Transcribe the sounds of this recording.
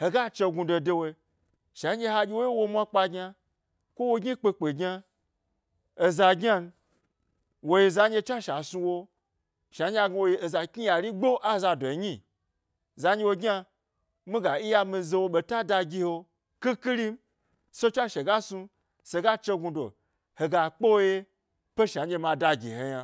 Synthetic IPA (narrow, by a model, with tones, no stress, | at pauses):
he˨ɡa˦t͡ʃe˧ɡu˧do˧de˧wo˧˦ | ʃa˨˦e˧ɦa˧ɡʲi˧wo˦ji˦wo˧mʷa˦k͡pa˧ɡʲɲa˧ | kʷo˦wo˧ɡʲi˦k͡pe˧k͡pe˨ɡɲa˧ | e˧za˧ɡɲa˦n˧ | wo˧je˧za˨˦ɲʲe˧t͡ʃʷa˦ʃa˨su˧wo˧ | ʃa˨˦ɲʲ˦a˧ɡwo˧je˧˦e˨za˨kʲi˦ja˨ɾi˦ɡ͡bo˦ʔa˦za˧do˨ɲi˦˨ | za˨˦ɲe˧wo˧ɡʲa˧ | mi˦ɡa˨i˦ja˧mi˧ze˧wo˧ɓe˧ta˦da˧ɡʲi˧ho˧ | ki˦ki˦ɾi˦m˦ | so˦t͡ʃʷa˦ʃe˨ɡa˦su˧ | se˧ɡa˦t͡ʃe˧ɡu˧do̰˨ | he˨ɡa˨k͡po˦wo˦je˧ | pe˦ʃa˨˦e˧ma˧da˧ɡʲḭ˨he˨ja˧